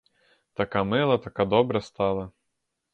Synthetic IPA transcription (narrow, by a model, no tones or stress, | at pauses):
t̪akamɪlˠɐt̪akad̪ɔbɾɐst̪alˠɐ